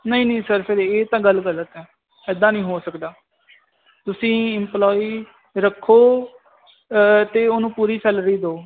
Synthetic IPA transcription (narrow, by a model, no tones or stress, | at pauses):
nəĩːnə̃ːsəɾpʰɪɾeːt̪ãːɡəlɡəlːət̪ɛː | ɛːd̪ãːnĩːɦoːsəkd̪aː | t̪ʊsĩːɪmplɔːiː | ɾəkʰːoː | t̪eːoːnũːpuːɾiːt͡ʃəlɾiːd̪oː